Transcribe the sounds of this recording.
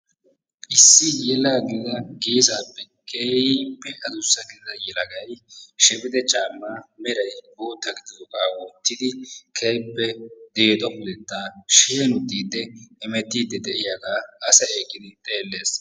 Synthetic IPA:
ʔɪsːɪjɛlaːɡɪɪzɐɡiːsaːpːɛ | kʰejpːɛʔɐzʊsːɐɡɪd̪ɪzɐjɛlɐɡɐjʃɛpʼɪd̪ɛt͡ʃʼaːmːaːmɛɾɐjboːt̪ːɐɡɪd̪ɪzɔkʼaːwɔt̪ːɪd̪ɪkʰejpːɛd̪e̞ːt̪ʼɔpʊlɛt̪ːaːʃeːnʊt̪ːiːd̪ːɛɛmɛt̪ːiːd̪ːɛd̪ɛʔɪjaɡaːɐsɐeːkʼːɪd̪ɪt̪ʼe̞ːlːe̞ːs

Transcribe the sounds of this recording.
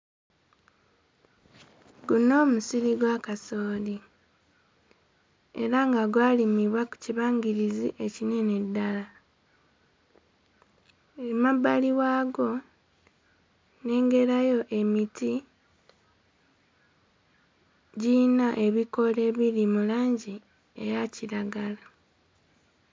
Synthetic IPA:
ɡuno̞ːmusiɾiɡwakasoːli | e̞̰ɾaŋɡaɡwaːlimiβwaku̥ciβaːŋɡiɾiziʔe̞cine̞ne̞dːala | mabaliwaːɡo̞ | ne̞ːŋɡe̞ɾajo̞ʔe̞miti | ɟinaʔe̞βiko̞le̞ːβiɾimulaːɲɟi | e̞̰jaciɾaɡala

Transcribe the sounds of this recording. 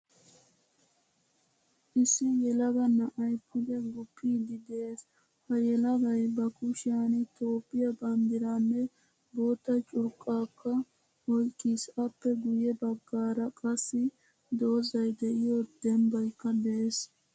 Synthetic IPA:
ʔɪsːɪjɛlɐɡɐnɐʔɐjpʰʊd̪ɛɡʊpʰːiːd̪ɪd̪ees | hɐjɛlɐɡɐjbɐkʊʃaːnɪt̪oːpːɪjɐbɐnd̪ɪɾanːɛ | boːt̪ːɐt͡ʃʼʊɾkʼːaːkːɐ | wɔjkʼːisɐpːɛɡʊjɛbɐɡːaːɾɐkʼɐsːɪ | d̪o̞ːzɐjd̪ɛʔɪjoːd̪̥ɛmbɐjkːɐd̪ɛʔes

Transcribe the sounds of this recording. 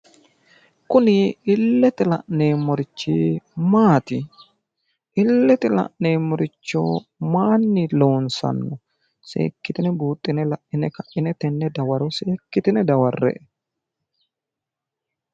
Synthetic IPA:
kʊnɪɪlːɛt̪ɪlɐʔneːmɔɾɪt͡ʃːiːmaːt̪ɪ | ʔɪlːɛt̪ɛlɐ̰ʔneːmɔɾɪt͡ʃːo̰ːmaːnːɪloːnsɐ̰nːɔ | sḛːkːɪt̪ɪnɛbuːt̪ʼːɪnɛlɐʔʔɪnɛkɐʔɪnɛt̪ɛnːɛd̪ɐwɐɾɔseːkːɪt̪ɪnɛd̪ɐwɐrːɛ̰ʔɛ

